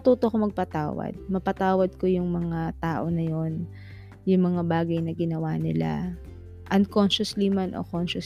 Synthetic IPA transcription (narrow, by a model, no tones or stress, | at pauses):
t̪uːt̪okomɐɡ̚pɐt̪a̰ːwɐ̰d̪̚mɐpɐt̪aːwɐd̪̚ko̞jʊŋmɐŋat̪aːʔo̞nɐjo̞n | jʊŋmɐŋabaːɡɐjnɐɡɪnɐwaːnɪ̰la̰ | ʔɐŋkonʃʊslimanʔo̰konʃʊs